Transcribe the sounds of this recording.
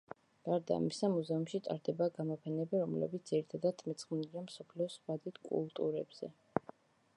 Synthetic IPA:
ɡ̥aɾd̪a̰ːmisamuzɛumʃit̪ʼa̰ɾd̪ɛbaɡamɔpʰɛnɛbiɾɔmlɛ̰bit̪sd̪z̥iɾit̪ʰad̪at̪ʰmɛt̪sʰʼχmniliamsɔpʰliɔsχwad̪it̪ʰkʼṵlˠt̪ʼṵɾɛbz̥ɛ̰

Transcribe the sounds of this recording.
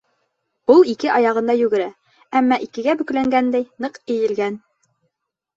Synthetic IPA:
ulˠikɘʔɑjɑʁɤ̆nd̪ɑjʉɡɘ̆ɾæ | æmːɑʔikɘ̆ɡæbɵ̆klæŋɡænd̪æjnɤqɘ̆jɘ̆lɡæn

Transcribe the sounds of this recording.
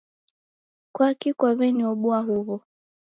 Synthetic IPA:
kwakikwaβɛniɔɓuaɦuβɔ

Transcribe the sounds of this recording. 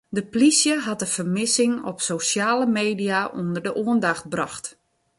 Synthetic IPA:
dəplisjəɦatəfərmɪsɪŋɔ̰psosjaːləmeːdiaʔundərdəʔoəndaxt̚brɑxt

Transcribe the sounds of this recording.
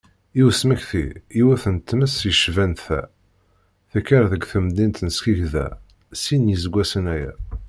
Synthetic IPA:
iwsməçθḭiwæθənt̪ːməsjəʃvænθæ̰ | θækːəɾðəɡθəmd̪int̪nəskiʝðæ̰ | sinjizəɡʷːæsənæjæ̰

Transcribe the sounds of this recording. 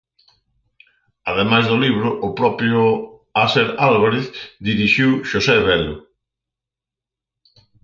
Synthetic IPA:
aðemajzðʊliβ̞ɾʊʔːpɾɔpɾjʊ | aseɾalβaɾeθd̪iɾiʃiwʃosɛβɛlʊ

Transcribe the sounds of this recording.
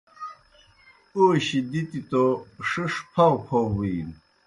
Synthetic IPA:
uɕid̪it̪it̪oʂɨʂpʰɐwpʰowin

